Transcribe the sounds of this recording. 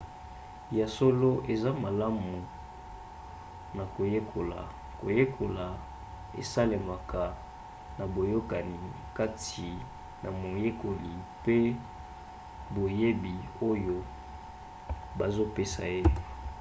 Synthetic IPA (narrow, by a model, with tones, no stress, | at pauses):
ja˨so˦lo˦ʔe˨za˦ma˨la˦mu˨ | na˨ko˨je˦kʰo˨la̰˨ | ko̰˨je˦kʰo˨la˨ | ḛ˨sa˦le˨ma˨kʰa˨ | na˨bo˨jo˦ka˨ni˨ | ka˦tʰi˨ | na˨mo˨je˦ko˨li˨pe˦ | bo˨je˦bi˨o˦jo˦ | ba˨zo˦pe˦sa̰˨je˦